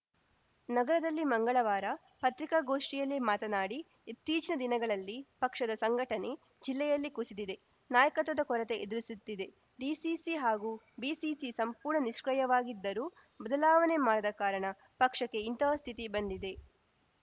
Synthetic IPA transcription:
nɐɡɐɾɐd̪ɐlːimɐŋɡɐɭɐʋaːɾɐ | pɐt̪ɾikaɡo̞ːʂʈijɐlːimaːt̪ɐnaːɽiː | t̪ːiːt͡ʃinɐd̪inɐɡɐɭɐlːipɐkʂɐd̪ɐsɐŋɡʱɐʈɐne̞ | d͡ʒilːɛjɐlːikusid̪id̪e̞ | naːjɐkɐt̪ʋɐd̪ɐkɔɾɐt̪e̞ʔed̪uɾisut̪ːid̪e̞ | ɖiːsisiɦaːɡuː | biːsisisɐmpuːɾɳɐniʃkɾɐjɐʋaːɡid̪ːɐɾuː | bɐd̪ɐlaːʋɐne̞maːɽɐd̪ɐkaːɾɐɳɐ | pɐkʂɐkːe̞int̪ɐst̪ʰit̪ibɐnd̪id̪e̞

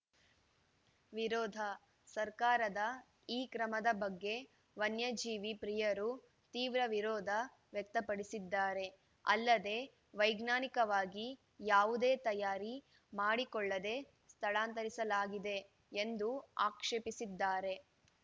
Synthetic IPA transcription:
ʋiɾɔːd̪ʱɐ | sɐɾkaːɾɐd̪ɐ | iːkɾɐmɐd̪ɐbɐɡːe̞ | ʋɐnjɐd͡ʒiːʋipɾijɐɾu | t̪iːʋɾɐʋiɾɔːd̪ʱɐ | ʋjɛk̚t̪ɐpɐɽisid̪ːaːɾe̞ | ɐ̰lːɐd̪e̞ | ʋɐjɡnaːnikɐʋaːɡi | jaːʋud̪eːt̪ɐjaːɾi | maːɽikɔɭːɐd̪e̞ | st̪ʰɐɭaːnt̪ɐɾisɐlaːɡid̪e̞ː | nd̪uaːkʂeːpisid̪ːaːɾe̞

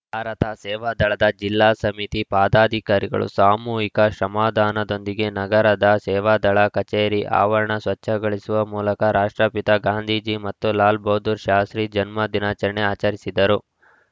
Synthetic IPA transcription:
bʱaːɾɐt̪ɐsɛːʋaːd̪ɐɭɐd̪ɐd͡ʒilːaːsɐmit̪ipaːd̪aːd̪ʱikaːɾiɡɐ̰ɭṵsaːmuːɦikɐʃɾɐmaːd̪ʱaːnɐd̪o̞nd̪iɡe̞nɐɡɐɾɐd̪ɐsɛːʋaːd̪ɐɭɐkɐt͡ʃeːɾiʔa̰ːʋɐɾɐɳɐsʋɐt͡ʃːɐɡɐɭisuʋɐmuːlɐkɐɾaːʂʈɾɐpit̪ɐɡaːnd̪ʱiːd͡ʒimɐt̪ːulaːlboːd̪uɾʃaːsɾid͡ʒɐnmɐd̪inaːt͡ʃɐɾɐɳeaːt͡ʃɐɾisid̪ɐɾu

